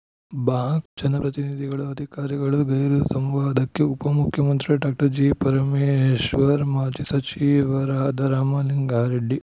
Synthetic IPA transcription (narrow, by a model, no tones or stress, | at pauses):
baːɡd͡ʒɐnɐpɾɐt̪inid̪ʱiɡɐɭuɐd̪ʱikaːɾiɡɐɭuɡɐjɾusɐmʋaːd̪ɐkːeupɐmukʰjɐmɐnt̪ɾiɖaːk̚ʈɐɾd͡ʒiːpɐɾɐmeʃʋɐɾmaːd͡ʒisɐt͡ʃiːʋɐɾaːd̪ɐɾaːmaːliŋɡaːɾiɖːi